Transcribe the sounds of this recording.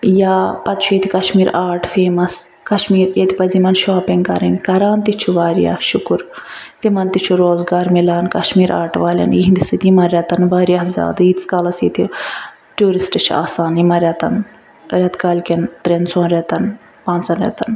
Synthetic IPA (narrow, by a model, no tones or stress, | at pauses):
jaːpɐt̪t͡ʃʰujet̪ʰikɐʃmiːɾaːɾʈʰfeːmɐs | kɐʃmiːɾjɐt̪ipɐzimɐnʃaːpiŋɡkɐ̰ɾinʲkɐɾaːnt̪it͡ʃʰuʋaːɾija̰ːhʃukuɾ | t̪imɐnt̪it͡ʃʰuɾoːzɡaːɾmilaːnkɐʃmiːɾʔa̰ːɾʈʋaːlʲɐ̰njiɦind̪isɨt̪imɐnɾʲɐt̪ɐnʋaːɾjaːhzʲja̰ːd̪ɨit͡skaːlɐsjit̪ʰi | ʈuːɾisʈɨt͡ʃʰa̰ːsaːnimɐɾʲjɐt̪ɐn | ɾʲɐt̪kaːlʲkʲent̪ɾent͡sʰoːnɾʲɐt̪ɐn | pãːnt͡sɐnɾʲḛt̪ɐn